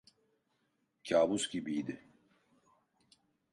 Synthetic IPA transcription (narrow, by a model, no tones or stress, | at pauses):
cʰaːbuscʲibijd̪i